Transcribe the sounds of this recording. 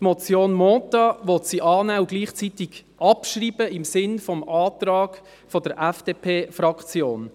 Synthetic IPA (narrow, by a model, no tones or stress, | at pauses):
tmɔt͡sjoːnmɔːt̪ɑʋɔt̪siʔɑːnæːʊɡ̥liːχt͡sit̪ɪɡ̥ | ɑpʃriːb̥əɪmsɪnfɔmʔɑːt̪rɑːɡ̥ | fɔd̪əɾʔæfd̥eːpʰeːfrɑkt͡sjoːn